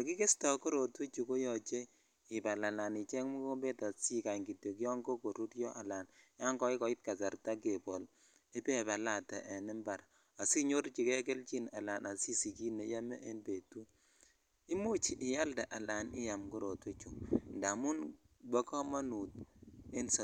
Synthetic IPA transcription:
jɔ˨ki˦ke˦sta˨ko˦ɾo˨twe˦t͡ʃu˨ko˦jɔ˨t͡ʃe˦ | ɪ˨ba˨la˨la˨nɪ˨t͡ʃɛ˦ŋmu˦ko˦mbe˦ta˨si˦ka˨ŋɡi˨to˨kjɔ˦ŋɡo˦ko˨ɾu˦tjɔ˦ʔa˨la˨nja˦ŋɡɔ˦i˦kɔ˨˦ɪ˦t̚ka˨sa˨rta˦ke˨bɔ˨l | ɪ˦pe˦ba˨la˦tɛ˨ʔe˨nɪ˦mba˨ɾ | a˨si˦ɲo˦ɾt͡ʃi˨kɛ˦k̬e˦lt͡ʃi˦na˨la˨nʔa˨si˦si˨ki˦ne˨ja˦mɛ̰˦ʔe˦nbe˨tu˦ | i˦mo˦t͡ʃi˨ʔɪ˨ja˦lda˨ʔa˨la˨nɪ̰˦ja˨mko˦ɾo˨twe˦t͡ʃu˨nda˨mʊ˦nbɔ˦kɔ˦ma˦nu˨t̚e˦nsa˨

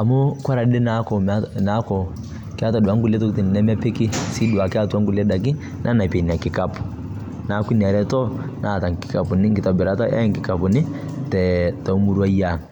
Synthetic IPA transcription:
a˨mu˦ka˦ɾa˨˦ɗe˦na˨˦kɔ˨ma˦na˦kɔ˨ | ki˦a˦ta˨du˨a˦ŋɡu˦le˦tɔ˦kti˨ni˨na˦m˦a˦pe˦ki˦si˦du˨wa˨ki˦a˦tu˦a˦ŋɡu˨le˦ɗa˨ki˦ | nʔa˦na˨pe˨ni˨a˨ki˨ka˨pu̥˨ | na˨˦ku˦ni˨a˨ɾɛ˦tɔ˦nʔa˨ta˨ki̥˨ka˨pu˨ni˦ŋɡi˨ta˨bɛ˨ɾa˦ta˦ʔa̰˦ŋki˨ka˨pu˨nɪ˦ | tɛ˨ta˨˦mu˦ɾu˦a˦ja˦˨ŋ

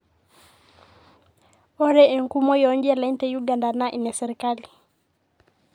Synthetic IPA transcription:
ɔ˦ɾɛ˦ɛ˨ŋku˦mɔ˦jɔ˨˦ŋɡi˦a˦la˨i˦ntɛ˦juɡa˨nda˨na˦ʔi˨nɛ˨sɛ˨ɾi˨kali˨

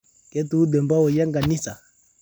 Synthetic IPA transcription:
kɛ˨˦tu˨˦u˦dɛ˨mba˦ɔ˨ja˦ŋɡa˨ni˦sa˨

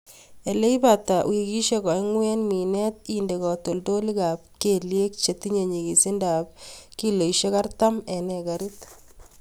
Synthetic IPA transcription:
e˨le˦i˦ba˨ta˨wi˨ki˦ʃe˦kɔ˨i˦ŋwɛ˦nmi˨nɛ˦t̪̚inde˨ɣɔ˨to˨ldo˦li˦ka˨p̚ke˨lje˦k̚t͡ʃe˨t̪i˦ɲe˨ɲi˨ɡi˨si˦nda˨p̚ki˦lo˨i˨ʃe˦ka˦ɾta˦mɛ˨nɛ˨ɡa˨ɾit

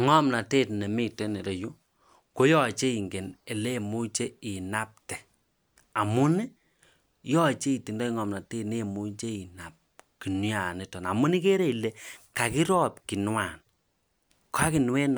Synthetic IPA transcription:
ŋɔ˦mna˨te˦tne˨mi˦te˦ne˨ɾe˨ju˦ | ko˦jɔ˦t͡ʃe˦i˨ŋɡe˨ne˨le˦˨mu˦t͡ʃe˦i˨na˦p̚tɛ˨ | a˨mʊ˦nɪ˦ | jɔ˦t͡ʃe˦i˨ti˨ndɔ˦i˦ŋɔ˨mna˨teː˦tne˦˨mu˦t͡ʃe˦i˨na˨p̚ki˨nja˨ne˨tɔ˨na˨mʊ˦ni˦ke˦ɾe˦i˨le˨ka˨ki˦ɾɔ˦p̚ki˨nwa˨n | kʰa˦ki˨n˦we˦n˨

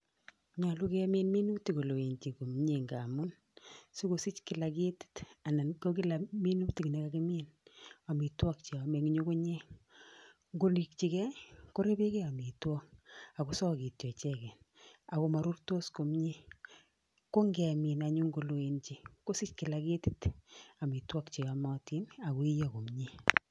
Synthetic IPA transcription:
ɲa˨lu˦kɛ˦me˦nmi˦nu˦kti˨ko˨lo˨e˨nt͡ʃi˨ko˨m˦ɲe˨ŋɡa˨mʊ˦n | su˦ko˨si˦t͡ʃkɪ˨la˨ki˦ti̥˦ta˨na˨nko˦k̬ɪ˦la˨mi˦nu˦kti˨ki˨ne˨˦ka˦ki˦mi˦na˨mi˨twɔ˦k̚t͡ʃe˨a˨me˨kɲo˦ko˦ɲe˦ | ŋɡo˨li˨k̚t͡ʃi˨kɛ˦ko˦ɾe˦be˦kɛ˦a˨mi˨twɔ˦k̚a˨ko˨sɔ˦˨ki˨tjɔ˨t͡ʃɛ˦kɛ˨na˨ko˨ma˨ɾu˦rto˦sko˨mɲi˦ | ko˦ŋɡɛ˨mi˨na˨ɲu˦ŋɡo˨lo˨e˨nt͡ʃi˨ko˦si˦t͡ʃkɪ˨la˨ke˦ti˦ta˨mi˨twɔ˦kt͡ʃe˨a˨ma˦ti˦na˨ko˨i˦jɔ˦ko˨mɲi˦

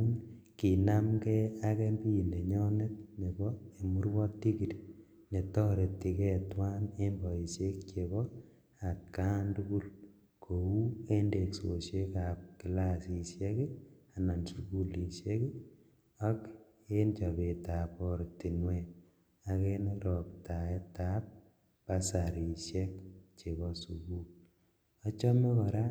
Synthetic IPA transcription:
ki˨na˦mkɛ˦akɛ˦mbi˦i˨ne˨ɲɔ˦ne˦t̚ne˨bɔe˨mu˦rwɔ˦tːi˦ki˨ɾ | ne˨tɔ˦ɾe˨tːi˨kɛ˦twa˦ne˦mbɔ˨i˨sje˦kt͡ʃe˨βɔ | a˨tka˦ntuku˦l | kʰo˨u˦e˦nde˨kso˨sje˦ka˨p̚ki˨la˦si˨sje˦ke˦a˨na˨nsuku˦li˨ʃe˦k | ɔ˦k | e˦nt͡ʃɔ˨be˨ta˨pɔ˦ɾti˨nwɛ | a˧ke˦nɾɔ˨kta˨ɛ˦tap̚ | pa˦saɾi˨ʃɛkt͡ʃe˨βɔ˦sukul | ɔ˦t͡ʃɔ˦mɛ˦kɔ˨ɾa˦

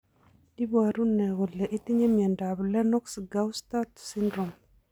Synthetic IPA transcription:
i˦baɾu˦nːɛ˨ɣɔ˨lɛ˨ʔi˦t̪i˦ɲe˦mjɛ˨ndablɛ˦nɔ˦ksɡawstat̪sindɾɔ˨m

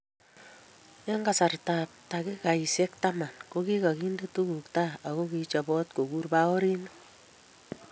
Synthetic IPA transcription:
ja˦ŋɡa˨sa˨rta˨p̚ta˨ki˦ka˨i˨se˦kta˦ma˨nko˦ki˦ka˨ki˦nde˦tu˦ku˨k̚ta˦a˨ɣo˦ki˦t͡ʃa˨bɔ˦t̚ko˨ku˦rba˦ɔ˦ɾi˦no˦

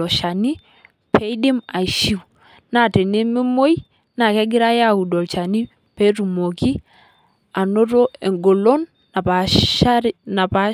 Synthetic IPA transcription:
ɔ˨ʃa˨ni˦ | pʰɛ˦i˦di˦ma˨ʃi˦w | na˨te˨ne˦mi˦mo˦j | na˨kɛ˦ɡɪ˦ɾa˦ja˦˨u˨do˨lt͡ʃa˨ni˦ | pe˦tu˨mo˨ki˦ | a˨no˦to˦e˨ŋɡo˨lo˦n˨ | a˨a˦na˨pa˦

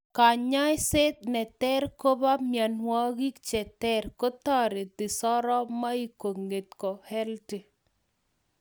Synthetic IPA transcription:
ka˨ɲɔ˦jse˦t̪̚nɛ˨t̪ɛ˦ɾko˦ba˦mja˨nwɔ˦ɣi˦kt͡ʃɛ˨t̪ɛ˦ɾko˦t̪a˦˨ɾe˨d̪ɪ˨sɔ˦ɾɔ˦ma˦i˦ko˨ŋɡe˨t̪̚kɔ˨hɛ˦lte˨

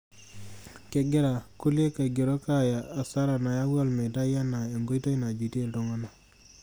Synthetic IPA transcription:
ke˨˦ɡɪ˦ɾa˨ku˦lje˦ka˨ɡo˨ɾo˦ka˦jaː˨sa˦ɾa˨na˨ja˦wɔ˦lme˨ta˦ja˦na˨e˨ŋɡo˦i˦ta˦i˦na˨d͡ʒi˨te˦˨lto˦ŋɔ˦na˨

